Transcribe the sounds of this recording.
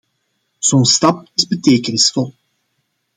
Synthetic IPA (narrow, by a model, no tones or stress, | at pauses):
z̥onstɑp̚ɪzbəteːkənɪsfɔlˠ